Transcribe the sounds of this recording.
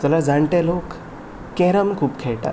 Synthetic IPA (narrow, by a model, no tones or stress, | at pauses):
t̪əlad͡zaɳʈ̪elokː | eɾəmkʰuːpkʰeɭʈa̰